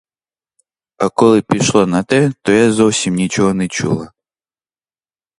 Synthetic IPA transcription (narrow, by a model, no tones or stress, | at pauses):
ɐkɔlˠɨpʲiʃlˠɔnɐt̪ɛt̪ɔjazɔwsʲimnʲit͡ɕɔɦɔnɛt͡ʃṵlˠa